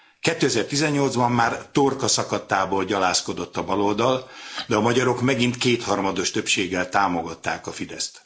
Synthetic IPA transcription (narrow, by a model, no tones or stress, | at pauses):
kɛt̪ːøːɛzɛrt̪izɛɲːo̞ld̪zbɒmːaːrt̪orkɒsɒkɒt̪ːaːboːlɟɒlaːsko̞d̪o̞t̪ːɒbɒlold̪ɒld̪ɛɒmɒɟɒɾo̞kmɛɡint̪keːt̪hɒrmɒd̪o̞ʃt̪ø̞pʃeːɡːɛlt̪aːmo̞ɡɒt̪ːaːkɒfid̪ɛst̪